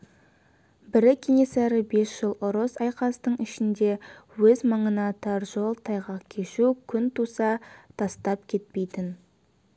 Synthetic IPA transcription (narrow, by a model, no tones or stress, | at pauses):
bɪɾɪkʲʰe̞ŋe̞sæɾɪbe̞sʒ̥əlˠʔʊɾəsɑjqɑst̪əɴɪʃɪnd̪e̞wɵzmɑɴənɑt̪ʰɑɾʒo̞lˠt̪ʰɑjʁɑqkʲʰe̞ʃukʲʰʏnt̪usɑt̪ʰɑst̪ɑp̚kʲʰe̞t̪̚pe̞jt̪ɪn